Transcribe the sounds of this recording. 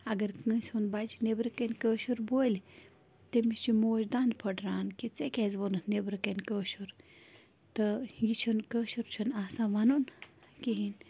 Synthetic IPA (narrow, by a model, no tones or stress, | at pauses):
ɐɡɐɾkɨ̃ːsʲhunbad͡ʒinebɾɨkɐnʲkəːʃuɾboːlʲ | t̪emist͡ʃimoːd͡ʒd̪and̪pʰɐʈɾaːnkit͡sekʲezʋonɨt̪nebɾɨkɐnʲkəːʃuɾ | t̪ɨjit͡ʃʰunkəːʃuɾt͡ʃʰunaːsãːʋɐnunkiɦin